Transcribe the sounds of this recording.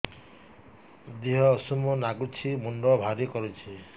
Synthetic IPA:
d̪iɦɔːsumɔnaɡut͡ʃʰimunɖɔbʱaɾikɔɾut͡ʃʰi

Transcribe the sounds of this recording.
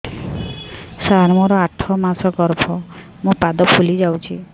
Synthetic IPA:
saɾmɔɾɔaʈʰɔmasɔɡɔɾbʰʱɔ | mũpad̪ɔpʰulid͡ʒawt͡ʃʰi

